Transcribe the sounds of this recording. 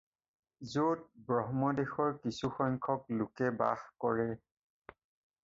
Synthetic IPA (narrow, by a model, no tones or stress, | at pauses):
zot̚bɹɔɦmɔdexɔɹkisuxɔŋkʰɔklʊkɛba̰xkɔɹɛ